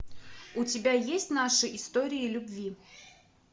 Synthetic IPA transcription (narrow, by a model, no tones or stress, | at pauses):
ʊtʲɪbʲajesʲtʲnaʂɨʔɪst̪oɾʲɪɪlʲʊbvʲi